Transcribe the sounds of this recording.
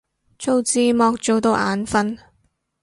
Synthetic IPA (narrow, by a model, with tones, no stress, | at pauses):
t͡ʃʰo˨˧wt͡siː˧mɔː˧k̚t͡ʃo˨wt̪o˧wʔa̰ː˨˧nfɐ˧n